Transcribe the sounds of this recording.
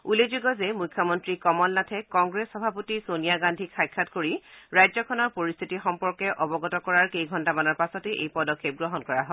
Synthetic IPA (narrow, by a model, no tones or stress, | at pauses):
ulezuɡɔzemukʰːɔmɔntɹikɔmɔlnatʰɛkɔŋɡɹesxɔbʱapotisonijaɡandʱikʰːajkʰːatkoɹiɹajzɔkʰɔnɔɹpoɹist̪ʰitixɔmpɔɹkɛʔɔbɔɡɔtɔkɔɹaɹkejɡʱɔntamanɔɹpasɔteʔejpɔdɔkʰːep̚ɡɹɔɦɔnkɔɹaɦɔ